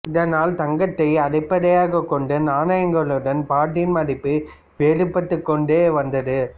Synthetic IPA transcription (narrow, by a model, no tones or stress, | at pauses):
ɪðɐnaːlt̪ɐŋɡɐt̪ːɐɪɐɽɐɪpːɐðɐjaːɣɐkːɔɳɖɯnaːnajɐŋɡɐɭɯɽɐnpaːʈːɪnmɐɽɪpːɯ | peːɾɯpːɐt̪ːɯkːɔɳɖeːʋɐnd̪ɐðɯ